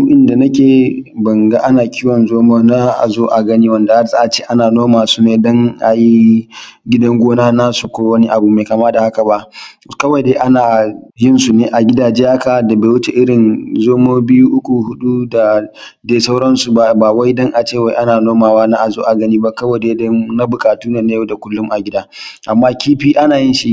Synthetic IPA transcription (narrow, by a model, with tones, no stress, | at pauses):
ʔɪ˨nda˨nɐ˦kʲeː˨bɐ˨ŋɡa˦ʔa˦naː˨kʲʰi˦wɔ˨nzoː˦moː˦na˦ʔa̰˨zoː˦ʔa˨ɡɐ˦niː˦wɐ˨nda˨ha˦sa˦ʔa˨t͡ʃeː˦ʔa˦naː˨noː˦maː˨su˦neː˨dɔ˦ŋʔa˨ji˦ | ɡʲɪ˦dɐ˦ŋɡʷoː˦naː˦naː˦su˨kʷoː˦wɐ˦ni˦ʔa˨bu˨meː˨kaː˨ma˦da˨ha˦ka˨ba˦ʔ | kɐ˦wɐ˨jdeː˨˦ʔa˦naː˨jɪ˦nsu˨neː˨ʔa˨ɡʲɪ˦daː˨d͡ʒe˦ja˦kaː˨da˨beː˨wʊ˦t͡ʃḛ˨ʔɪ˦ɾɪ˨nzoː˦moː˦bɪ˦juː˦ʔʊ˦kʷu˨hʊ˦ɗu˦da˨ | deː˨sa˦wɽɐ˦nsu˨ba˨baː˨wa˦jdɐ˦ŋʔa˨t͡ʃeː˦˨wa˨jʔa˦naː˨noː˦maː˨waː˦na˦ʔa˨zoː˦ʔa˨ɡɐ˦niː˦ba˦kɐ˦wɐ˨jdeː˦dɔ˦na˦bʊ˨kʼaː˨tuː˦neː˨na˦jo˦da˨kʷʊ˦lːʊ˦mʔa˨ɡʲɪ˦daː˦ʔa˨mːaː˦kʲiː˦ɸiː˦ʔa˦naː˨jɪ˦nʃi˦ʔ